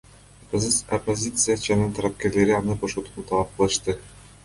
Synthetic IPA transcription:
qzɯsopːozʲit̪sɨjat͡ʃanɯnt̪ʰɑɾap̚ke̞ɾle̞ɾiɑnɯbo̞ʃot̪unut̪ʰɑlˠɑp̚qɯlˠɯʃt̪ɯ

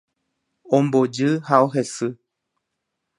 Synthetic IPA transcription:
õmbod͡ʒɨhaoɦesɨ

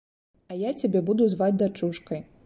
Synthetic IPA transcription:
ɐjat͡sʲabʲɛbud̪uzvad͡zʲd̪at͡ʂuʂkɐj

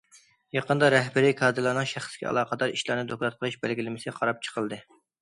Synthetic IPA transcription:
jɑqʰənd̪ɑɾɛɦbɪɾikʰɑːd̪ɨlˠɑːnɨŋʃæχskʲɛ̰ɑ̰lˠɑːqəd̪ɑɾiʃlˠɑɾnɨd̪oklˠɑt̪̚qʰəlˠɨʃbælɡʲilɪmɪsɪqʰɑɾɑp̚t͡ʃʰə̥qʰəlˠd̪ɨ

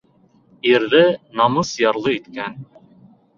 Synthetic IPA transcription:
iɾðɘnɑmɤsjɑɾlˠɤit̪kæn

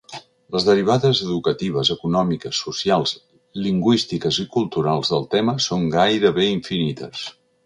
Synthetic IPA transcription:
ləzðəɾiβ̞aðəzəðukət̪iβ̞əzəkunɔmikəsːusialˠz | liŋɡwist̪ikəzikulˠt̪uɾalˠzðəlˠt̪ɛməsoŋɡajɾəβeiɱfinit̪ə̰s

